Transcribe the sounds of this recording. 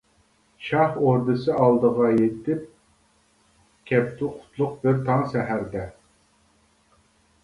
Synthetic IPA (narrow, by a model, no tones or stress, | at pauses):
ʃɑhoɾd̪ɨsɨɑlˠd̪əʁɑjet̪ʰɪp̚ | kʲʰɛpt̪ʰuqʰʊ̥t̪ʰlˠʊq̚bɪɾt̪ʰɑŋsɛɦæɾd̪ɛ